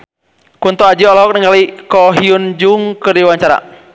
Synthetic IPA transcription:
kunt̪ɔad͡ʒiɔlɔɦɔk̚nəŋɡalikɔɦiund͡ʒuŋkɨrdiwaɲt͡ʃaɾa̰

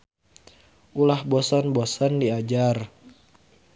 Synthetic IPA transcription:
ʔulahbɔsɔnbɔsɔndiad͡ʒar

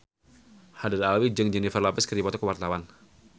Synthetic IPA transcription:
hadiralwid͡ʒəŋd͡ʒɛnifərlapɪskərdipat̪ɔkəwart̪awan

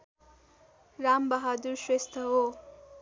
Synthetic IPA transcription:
ɾaːmbɐɦaːd̪uɾʃɾest̪ʰɐɦoː

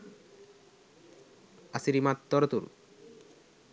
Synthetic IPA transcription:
asiɾimat̪ːɔɾot̪ṵɾ

